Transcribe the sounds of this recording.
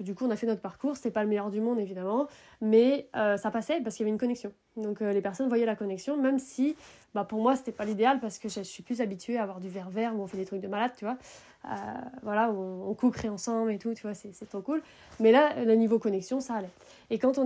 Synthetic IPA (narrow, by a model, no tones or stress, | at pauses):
d̪ykuɔ̃nafɛnɔt̪χəpaʁkuʁse̥t̪ɛpaləmɛjœʁd̪ymɔ̃d̪evid̪amɑ̃ | mɛøsapasɛp̬aʁsəkjavɛynkɔnɛksjɔ̃ | d̪ɔ̃kølepɛʁsɔnvwajɛlakɔnɛksjɔ̃mɛmsibapuʁmwase̥t̪ɛpalid̪ealpaʁsə̥kəʒəsɥiplyz̬abit̪ɥeaːvwaʁd̪yvɛʁvɛʁuɔ̃fɛd̪et̪χyk̚d̪əmalad̪̚t̪yvwa | ø̰vwalaũɔ̃kukχeɑ̃sɑ̃blet̪ut̪yvwasɛsɛt̪χokul | mɛlalənivokɔnɛksjɔ̃saːlɛ | ekɑ̃t̪̬ɔ̃